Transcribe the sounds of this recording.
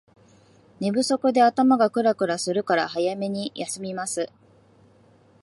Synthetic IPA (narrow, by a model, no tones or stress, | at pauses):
ne̞bɯ̟so̞kɯ̟d̪e̞at̪amaɡakɯ̟ɾakɯ̟ɾasɨɾɯ̟kaɾa̰hajame̞ɲ̟ijʔasɨmʲimasɨ